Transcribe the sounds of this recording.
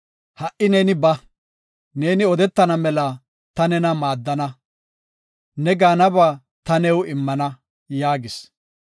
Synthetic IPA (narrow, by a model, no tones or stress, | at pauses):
hɐʔɪneːnɪbɐ | ne̞ːnɪɔd̪ɛt̪ːɐnɐmɛlɐ | t̪ɐnɛnɐmaːd̪ːɐnɐ | nɛɡaːnɐbaː | t̪ɐnɛwɪmːɐnɐ | jaːɡɪs